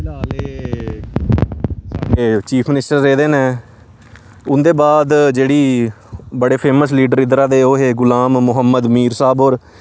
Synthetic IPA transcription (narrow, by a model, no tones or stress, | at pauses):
naːleː | saːɾeːt͡ʃiːpʰmɪnɪsʈəɾːeːd̪eːnẽː | ʊnd̪eːbaːd̪d͡ʒeːɽiː | bəɽeːpʰeːməsliːɖəɾɪd̪ɾaːd̪eːoːɦeːɡʊlaːmːʊɦəmːəd̪miːɾsaːboːɾ